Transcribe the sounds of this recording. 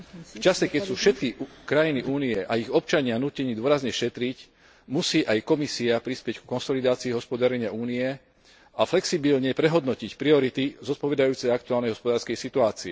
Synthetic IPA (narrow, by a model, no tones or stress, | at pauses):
ft͡ʃasɛkɛcsuːfʃɛt̪̚kikɾajiniʔuːniɛʔaiɣɔp̚t͡ʃaɲɪanuːcɛɲiːd̪wɔɾazɲɛʃɛt̪ɾic | musiːʔajkɔmisiapɾispɪɛckkɔnsɔlid̪aːt͡siːɦɔspɔd̪aɾɛɲɪaʔuːniɛ | aflɛksibilɲɛpɾɛɦɔd̪nɔcicpɾiɔɾit̪izɔt̪̚pɔʋɛd̪ajuːt͡sɛjak̚t̪ualnɛjɦɔspɔd̪aːɾskɛjsit̪uaːt͡siɛ